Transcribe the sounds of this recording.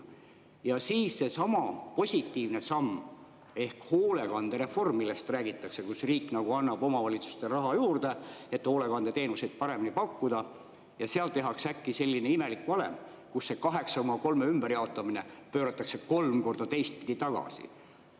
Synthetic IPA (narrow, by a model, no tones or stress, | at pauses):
jɑsiːsːe̞sɑmɑpo̞sʲit̪ˑːiːvne̞sɑm | e̞hkhoːle̞kɑnd̪eɾe̞fo̞rmːilest̪ræːɡ̥it̪ːˑɑkse̞kusriːkːˑnɑɡ̥uɑnːɑbo̞mɑvɑlʲit̪su̥st̪e̞rɑɦɑjuːrd̪̥e̞et̪ːho̞ːle̞kɑnd̪e̞t̪e̞ːnuse̞jd̪̥̚pɑɾe̞minipɑkːud̪̥ɑ | jɑseɑlt̪e̞ɦɑksækːise̞lʲːineime̞likːvɑle̞̰m | kusːe̞kɑɦe̞ksɑkomɑko̞lme̞ymb̥æɾjɑot̪ːˑɑmine̞pøːɾɑt̪ːˑɑkse̞ko̞lmko̞rd̪̥ɑt̪e̞jst̪̚pi̥d̪̥it̪ɑɡ̥ɑ̰sḭ